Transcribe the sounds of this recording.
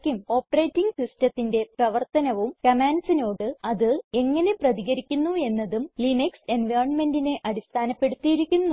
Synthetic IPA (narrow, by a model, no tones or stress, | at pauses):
kʲːumo̞ːpːɐrejtːiŋɡt̪istɐt̪ːinde̞prɐʋɐrt̪ɐnɐʋumkɐmaːnsino̞ːɽɨɐðɨe̞ŋːɐne̞prɐðiɣɐɾikʲːunːue̞nːɐðumlinɐkse̞nʋɐjrɐɳme̞ndine̞ʔɐɽist̪ʰaːnɐpːe̞ɽut̪ːijiɾikʲːunːu